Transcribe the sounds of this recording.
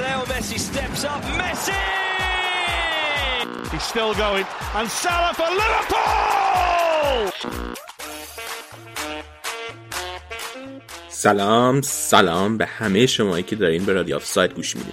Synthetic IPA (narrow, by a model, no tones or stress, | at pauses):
lɛlmɛsistɛpsʌpmɛsi | hiz̥stɪlˠɡoʊɪ̃ŋə̃nsaləfəlɪvəpʰu | ll | sælɒːmsælɒːmbehæmejeʃomɒːjicʰed̪ɒːɾiːnbeɾɒːd̪ijɒ̰fsɒːjt̪̚ɡuːʃmḭd̪ḭ